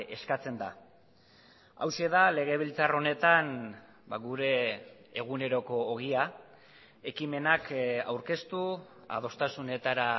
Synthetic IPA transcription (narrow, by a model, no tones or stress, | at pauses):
e̞skat͡se̞nd̪a̰ | a̰wse̞ðale̞ɣ̞e̞β̞ilt͡saro̞ne̞t̪an | ba̰ɣuɾe̞ːɣ̞une̞ɾo̞ko̞ːɣ̞ia | e̞kime̞naka̰wɾke̞st̪u | a̰ð̞o̞st̪asune̞t̪aɾa